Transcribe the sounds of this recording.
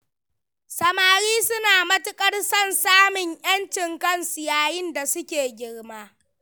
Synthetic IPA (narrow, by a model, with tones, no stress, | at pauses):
sɐ˦maː˦ɾiː˦sʊ˦naː˨mɐ˦tʊ˦kʼɐ˦rsɐ˦˨nsaː˦mɪ˨ɲʔj̰ɐ˦nt͡ʃɪ˨ŋkɐ˦nsʊ˨jaː˦jɪ˦nda˨sʊ˦kʲeː˨ɡʲɪ˦ɽmaː˦